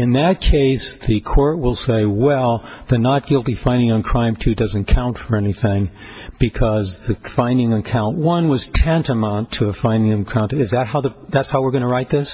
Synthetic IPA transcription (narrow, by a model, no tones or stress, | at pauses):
ɨ̃nðɨt̚kʰeɪsðɨkʰɔɹt̚wɪlˠseɪwɛlˠðɨnət̚ɡ̥ɪlˠtifãɪ̃ndɪ̃ŋə̃nkʰɹ̥ãɪ̃mtʰʉdʌzɨ̃n̩kʰãʊ̃ntfə˞ɛniθɪ̃ŋ | b̥ɨkʰʌzðɨfãɪ̃ndɪ̃ŋɨkʰãʊ̃nʔwʌ̃nwʌz̥tʰɛ̃ntɨmãntʰɨəfãɪ̃ndɪ̃ŋɨ̃nkʰɹ̥ãʊ̃nɨzðɨt̚ɦaʊðɨðætshaʊwəɹɡʌnəɹaɪt̪̚ðɪs